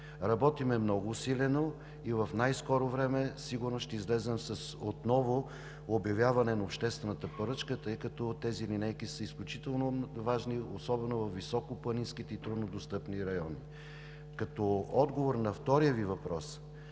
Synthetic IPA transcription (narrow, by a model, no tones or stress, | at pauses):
ɾɐbɔt̪imɛmnɔɡʊːsilɛno | ivɐfnajskɔɾovɾɛmɛsiɡʊɾnosʃt̪ɛizlɛzɛmsəsot̪nɔvʊ | objɐvʲjavɐnɛnɐopʃt̪ɛst̪vɛnət̪əpɐɾɤt͡ʃkət̪ɤjkɐt̪ɔt̪ɛzilinɛjkisəisklʲʊt͡ʃit̪ɛlˠnovaʒniosɔbɛnovɐfvːisɔkopˠɐninskit̪ɛit̪ɾʊd̪nod̪ost̪ɤpniɾɐjɔni | kɐt̪ɔɔd̪ɡovoɾnɐft̪ɔɾijəvivɐpɾɔs